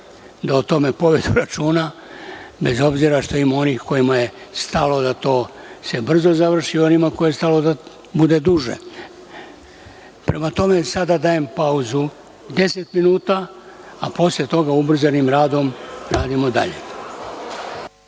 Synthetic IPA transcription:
d̪aot̪o̞me̞po̞ʋe̞d̪uɾat͡ʃuːna | be̞zo̞bziɾaʃt̪oimaonixko̞jimaje̞st̪alo̞d̪at̪o̞ː | se̞br̩zo̞zaʋr̩ʃio̞nimako̞jest̪alo̞d̪a | bud̪e̞d̪uʒe̞̰ | pɾemat̪o̞me̞sad̪ad̪aje̞mpauzu | d̪e̞se̞t̪minuːt̪a | apo̞slʎʲe̞t̪o̞ɡaubr̩zanimɾaːd̪o̞mɾaːd̪imo̞d̪a̰ʎe̞̰

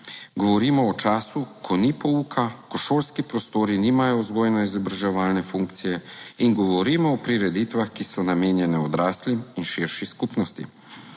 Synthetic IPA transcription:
ɡɔʋɔɾiːmɔːt͡ʃaːsukʰɔnipɔuːkʰakɔʃolskipɾɔst̪oːɾiniːmajɔzɡoːjnɛizɔbɾaʒɛʋaːlnɛfuŋk̚t̪sijɛiŋɡɔʋɔɾiːmɔːpɾiɾɛd̪it̪ʋaxkisɔnameːnjɛnɛɔd̪ɾaːsliminʃiɾʃiskupnɔst̪ḭ

